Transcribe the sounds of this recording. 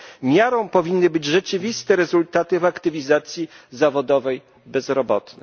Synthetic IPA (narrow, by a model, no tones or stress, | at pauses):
mʲjaɾɔ̃w̃pɔvʲinːɘbɘd͡ʑʐɛt͡ʂɘvʲist̪ɛɾɛzult̪at̪ɘvakt̪ɘvʲizat̪sʲjizavɔd̪ɔvɛj | bɛzɾɔbɔt̪nɛ